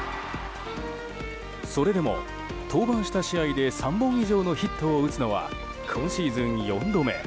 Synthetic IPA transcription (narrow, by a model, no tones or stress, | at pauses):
so̞ɾe̞d̪e̞mo̞̰ | t̪ʰo̞ːbãɰ̃ɕi̥t̪aɕiaid̪e̞sãmbõ̞ɰ̃iʑo̞ːno̞çit̪ːo̞ːɯ̟t͡sɨno̞βa̰ | kʰõɰ̃ɕiːzɨ̃ɰ̃jõ̞nd̪o̞me̞̰